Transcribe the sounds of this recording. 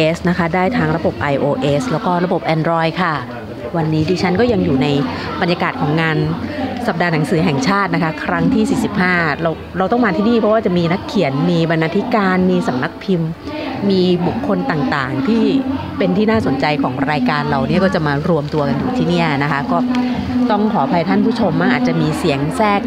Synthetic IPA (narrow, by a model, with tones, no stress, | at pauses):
ʔeː˦˥sna˦˥kʰa˦˥daː˥˩jt̪ʰaː˦˥ŋɾa˧bo˨˩p̚ʔa˧jʔoː˧ʔeː˦˥slɛː˦˥wkɔː˥˩ɾa˧bo˨˩p̚ʔɛː˧ndɾɔː˧jkʰa˥˩ | wa˧nːiː˦˥diː˧t͡ɕʰa˦˥nkɔː˥˩ja˧ŋjuː˨˩na˧jba˧njaː˧kaː˨˩t̪̚kʰɔː˩˦ŋːaː˧nsa˨˩p̚daː˧na˩˦ŋsɯː˩˦ɦɛ˨˩ŋt͡ɕʰaː˥˩t̪̚na˦˥kʰa˦˥kʰɾa˦˥ŋt̪ʰiː˥˩siː˨˩si˨˩p̚haː˥˩ɾa˧w | ɾa˧wt̪ɔ˥˩ŋmaː˧t̪ʰiː˥˩niː˥˩pʰɔ˦waː˥˩t͡ɕa˨˩ʔmiː˧na˦˥kʰːi˨˩˦ənmiː˧ba˧nːaː˧t̪ʰi˦˥kaː˧nmiː˧sa˩˦mna˦˥k̚pʰi˧mː | iː˧bu˨˩kʰːo˧nt̪aː˨˩ŋt̪aː˨˩ŋt̪ʰiː˥˩ | pe˧nt̪ʰiː˥˩naː˥˩so˩˦nt͡ɕa˧jkʰɔː˩˦ŋɾaː˧jkaː˧nla˨˩wni˥ɐkɔː˥˩t͡ɕa˨˩maː˧ɾu˧əmt̪u˧ɐka˧njuː˨˩t̪ʰiː˥˩niː˥˩ɐa˩na˦˥kʰa˦˥kɔː˥˩t̪ɔ˥˩ŋkʰɔː˩˦pʰa˧jt̪ʰaː˥˩npʰuː˥˩t͡ɕʰo˧mːaː˥˩ʔaː˨˩t̪̚t͡ɕa˨˩miː˧si˩˦əŋsɛː˥˩k̚